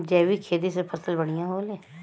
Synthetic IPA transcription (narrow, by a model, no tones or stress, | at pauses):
d͡ʒɛːʋiːkʰeːd̪iːsepʰəsəlbəɽ̃ijãːɦoːleː